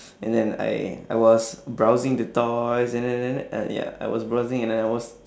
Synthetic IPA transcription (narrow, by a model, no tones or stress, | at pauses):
ɛ̃ndɛ̃na̰ja̰jwɔsbɹawzɪ̃ŋdətɔjsɛ̃nɛɛ̃nɛ̰̃nja̰a̰jwɔ̰sbɹaʊzɪ̃ŋɛ̃ndɛ̃naɪwɔs